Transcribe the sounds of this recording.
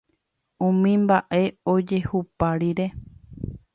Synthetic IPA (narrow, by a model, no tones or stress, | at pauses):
ũmĩmbaʔe̞od͡ʒe̞hupaɾiɾe̞